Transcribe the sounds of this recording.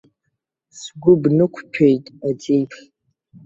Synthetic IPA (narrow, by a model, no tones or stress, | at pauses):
sɡʷʊbnɨkʷʰpʰejtʼad͡zejpʰ